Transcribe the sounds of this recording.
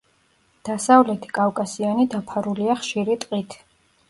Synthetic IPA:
d̪̥asavlɛt̪ʰi̥kʼafkʼasianid̪apʰaɾuliaχʃiɾit̪ʼqʼit̪ʰ

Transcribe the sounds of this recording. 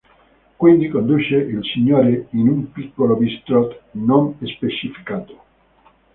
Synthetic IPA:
kwind̪ikond̪ut͡ʃeʔilsiɲoɾeinumpikːolobist̪ɾot̪nõnespet͡ʃifi̥kat̪o̥

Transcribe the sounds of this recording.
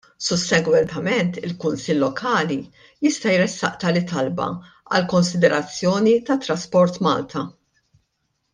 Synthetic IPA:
sʊsːɛɡwɛnt̪ɐmɛnt̪ɪlkʊnsɪlːɔkʰɐːli | jɪst̪ɐjɾɛsːɐ̰ʔt̪ɐlɪt̪ɐlbɐ̰ | ɐ̰lkɔnsɪd̪ɛɾɐt͡sːjɔːnit̪ɐt̪ːɾɐspɔɾt̪mɐ̰ːlt̪ʰɐ

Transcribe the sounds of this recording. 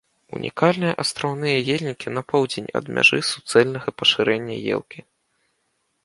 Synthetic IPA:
ṵnʲʔḭkalʲnɨjɐʔɐst̪ɾawnɨjɐjelʲnʲikʲinɐpɔwd͡zʲenʲɐ̰d̪mʲʔa̰ʐɨsu̥t̪sɛlʲnɐɣɐpɐʂɨɾɛnʲːɐ̰jɛ̰lˠkʲi

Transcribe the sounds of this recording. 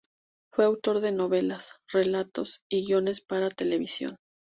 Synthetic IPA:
fweawt̪o̞ɾðe̞no̞βe̞lasre̞lat̪o̞siɣjo̞ne̞spaɾat̪e̞le̞βisjo̰n

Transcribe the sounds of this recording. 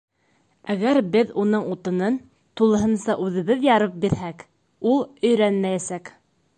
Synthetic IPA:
æɡæɾbɘðunɤɴut̪ɤ̆nɤn | t̪ulˠɤ̆ɦɤ̆nsɑʔʉðɘ̆βɘðjɑɾɤp̚biɾhæk | ulˠɵ̆jɾænmæjæsæk

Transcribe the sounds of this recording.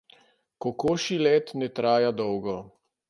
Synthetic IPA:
kɔkoːʃilɛt̪nɛt̪ɾaːjad̪ɔwɡɔ

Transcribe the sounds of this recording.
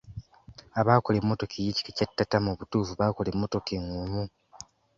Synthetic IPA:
aβaːko̞le̞mːoto̞kʰejici̥kecatːatamuβutuːfuβako̞le̞mːo̞to̞keŋumu

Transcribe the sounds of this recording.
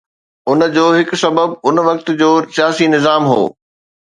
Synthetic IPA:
ʊnd͡ʑoːɦɪkʊ̆sɐbəbʊnʋɐk̚t̪̆d͡ʑoːsijaːsinɪzaːmɦo̰ː

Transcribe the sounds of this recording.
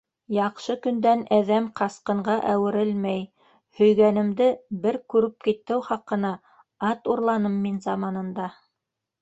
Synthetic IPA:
jɑqʃɤkɵ̆nd̪ænæðæmqɑsqɤ̆ɴɢɑʔæwɘ̆ɾɘlmæj | hɵ̆jɡænɘ̆md̪ɘbɘɾkʉɾɘp̚kit̪ːɘwχɑqːɤ̆nɑ | ɑt̪uɾlˠɑnɤmːinzɑmɑnɤ̆nd̪ɑ

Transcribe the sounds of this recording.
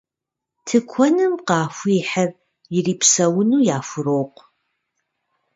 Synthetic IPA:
tʰɨkʷʰɔnɨmqɑːfʷʊɪħɐr | jɪriːpsɐwʊnuːjaːfʷʊɾoːqʷ

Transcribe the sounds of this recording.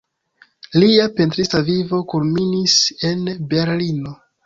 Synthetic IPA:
liape̞ntɾistavivo̞kulminise̞nbe̞ɾlino̞

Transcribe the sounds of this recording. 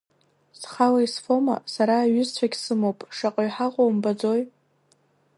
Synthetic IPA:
sχalaisfoma̰saɾaːɥʏzt͡ɕʷʰaɡʲsɨmowpʼʂaqʼaɥħaʁʷʼowmbad͡zo̞j

